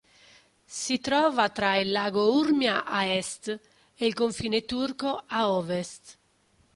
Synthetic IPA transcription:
sit̪ɾɔːvat̪ɾailːaːɡourmjaʔaɛst̪ | elkoɱfiːnet̪urkoaɔːvɛst̪

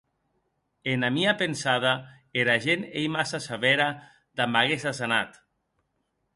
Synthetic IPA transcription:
enamiapensað̞a | eɾaʒenejmasasaβɛɾa | ðamaɣezasana̰t̪

